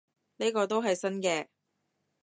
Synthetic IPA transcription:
ni˥jkɔː˧t̪̬o˥wɦɐ˨jsɐ˥nkɛː˧

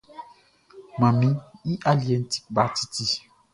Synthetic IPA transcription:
mã˨mĩ˨˦i˦ʔa˦li˨ɛ˨n̩˦ti̥˦ba˨˦ti̥˦ti˦

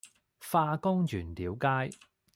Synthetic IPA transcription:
faː˧kʊ˥ŋt͡ʃyː˨˩nt̪iː˨˥wkaː˥j

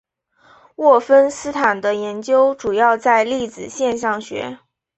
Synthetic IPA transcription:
wɔ˥˩fə˥nsɹ̩˥t̪ʰa˨˩nd̪ə˦jɛ˧˥nt͡ɕjo˥ʊʈ͡ʂu˨˩jɑ˥˧ʊt͡sa˥˧ɪli˥˩t͡sɹ̩˨˩ɕjɛ˥˧nɕɑ˥˩ŋɕɥɛ̰˧˥

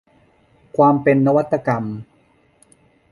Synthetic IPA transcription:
kʰwaː˧mpe˧nːa˦˥wa˦˥t̪ːa˧ka˧m

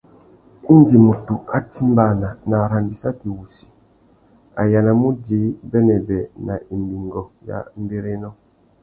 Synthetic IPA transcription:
i˦nd͡ʒi˨mu˨tu˨a˦ti˦mba˦˨na˨na˨ɾa˨mbi˨sa˦ki˨wu˨si̥˨ | a̰˨ja˨na˨mu˦d͡ʒi˨˦bɛ˦nɛ˨bɛ˨na˨ʔi˨mbi˨ŋɡɔ˨ja̰˦n˦be˦ɾe˦nɔ˦

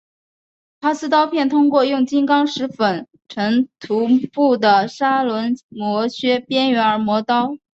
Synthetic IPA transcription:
pʰa˥sɹ̩˥t̪ɑ˥ʊpʰjɛ˥˩nt̪ʰʊ˥ŋkwɔ˥˧jʊ˥˩ŋt͡ɕi˥nkɑ˥ŋʂɻ̩˧˥fə˨˩n | ʈ͡ʂʰɤ˧˥ŋt̪ʰu˧˥pu˥˩d̪ə˩ʂa˥lwə˧˥nmwɔ˧˥ɕɥɛ˥pjɛ˥nɥɛ˧˥nə˞˧˥mwɔ˧˥t̪ɑ˥ʊ

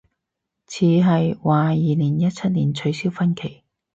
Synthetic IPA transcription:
t͡sʰiː˨˧ɦɐ˨jwaː˨˧jiː˨niː˨˩njɐ˥t̚t͡sʰɐ˥t̚niː˨˩nt͡ʃʰɵ˨˧ɥsiː˥wfɐ˥nkʰe˨˩j

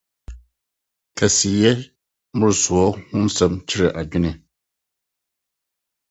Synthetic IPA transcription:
ka˨si˨jɛ˦ | mʊ˦ɾsu˨ɔ˦hʊ˦n˦sɛ˦mt͡ʃi˦ɾɨ˨ʔa˨d͡ʒi˦nɨ˨

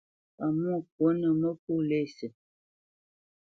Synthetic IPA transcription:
a˨mu˦˨k̚wo˨˦nə˨mə˦k̚u˦le˦˨sə˨

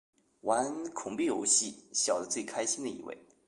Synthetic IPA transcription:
wa˧˥nkʰʊ˨˩ŋpi˥˩jo̰˧˥ʊɕi˥˩ɕjɑ˨˩ʊd̪ə˦t͡swe˥˩ɪkʰa˥ɪɕi˥nd̪ə˨ḭ˨˥˩wḛ˥˩ɪ

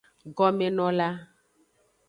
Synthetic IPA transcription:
ɡɔ˨mẽ˨nɔ̃˨la˦

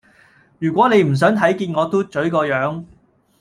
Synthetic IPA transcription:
jyː˨˩kʷwʷɔː˨˥ne˨˧jm̩˨˩s̬œː˨˥ŋt̪ʰɐ˨˥jkiː˧nŋɔː˨˧t̪oː˥t͡ʃɵ˨˥ɥkɔː˧jœː˨˥ŋ

